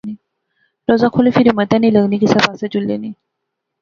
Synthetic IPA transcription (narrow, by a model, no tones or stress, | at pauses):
ne | ɾɔzakʰolifiɾimət̪janiləɡnikisabasɛt͡ɕulːḛne